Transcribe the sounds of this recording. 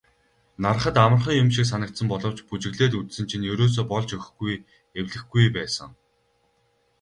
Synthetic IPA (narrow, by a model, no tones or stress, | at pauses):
nar̆χə̆t̪amə̆rχĭŋjʊmʃiks̬anə̆k̚t̪sə̆mpɔɮɞ̆w̥t͡ɕput͡ɕɪ̆ɣɮeːt̪ut̪sɘ̆nt͡ɕʰinjɵɾoːs̬oːpɔɮt͡ɕɵx̆xɡuj | ewɮɘ̆xɡujpæːsə̰̆ŋ